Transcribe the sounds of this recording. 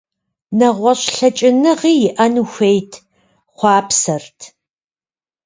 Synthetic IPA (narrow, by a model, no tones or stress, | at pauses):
nɐʁʷɔɕɬɐt͡ʃʼɪnɨʁiːjɪʔɐnuxʷejtʰ | χʷɑːpsɐrtʰ